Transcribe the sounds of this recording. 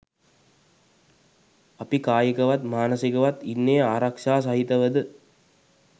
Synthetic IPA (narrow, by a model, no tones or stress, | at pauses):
ɐpikaːjəkɐʋat̪maːnəsikɐʋat̪inːejəaːɾakʂaːs̬ɐɦit̪ɐʋəd̪ə